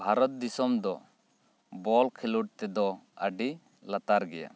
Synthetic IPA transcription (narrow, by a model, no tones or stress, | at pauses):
bʱaɾɔt̪̚d̪isɔmd̪ɔ | bɔlkʰiluʈ̚t̪ɛd̪ɔəɖi | lat̪aɾɡɛja̰